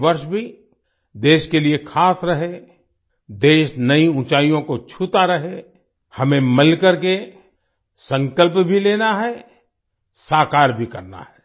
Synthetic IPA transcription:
ʋəɾʃbʱi | d̪eːʃkeliekʰaːsɾɐɦe | d̪eːʃnɐiʊ̃t͡ʃaːijõkot͡ʃʰut̪aɾɐɦe | hɐmẽmɪlkəɾke | sə̃ŋkəlpbʱileːnaɦɛ | saːkaːɾbʱikɐɾna̰ɦɛː

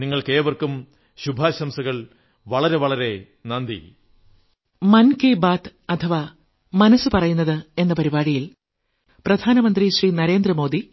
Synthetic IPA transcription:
niŋːɐɭkeːʋɐrkum | ɕubʱaːɕɐmsɐɣɐɭ | ʋɐɭɐɾe̞ʋɐɭɐɾe̞ | nɐnd̪ḭ | mɐnkeːbaːt̪ɐt̪ʰɐʋa | mɐnɐsːɨpɐrɐjunːɐðɨe̞nːɐpɐɾibaːɻijil | prɐd̪ʱaːnɐmɐnd̪riɕriːnɐɾe̞ːnd̪rɐmo̞ːd̪i

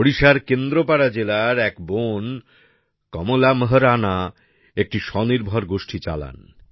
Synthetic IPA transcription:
oɽiʃaɾkend̪ɾopaɽad͡ʑelaɾɛkbon | kɔmolaməɦəɾana | ek̚ʈiʃɔniɾbʱoɾɡoʃʈʰit͡ɕa̰la̰n

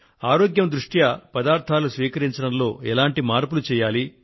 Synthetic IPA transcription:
aːɾoːɡjɐmd̪ɾuʂʈjɐpɐd̪aːɾt̪ʰaːlusʋiːkɐɾiɲt͡ʃɐɽɐmlo̞ːɛlaːɳʈimaːɾpulut͡ʃɛːjaːli

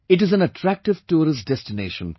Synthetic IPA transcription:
ɪʈ̬ɪzæ̃nəʈʰɾæk̚ʈɪʋʈuːɾɪsɖɛstɪneːʃə̰̃n

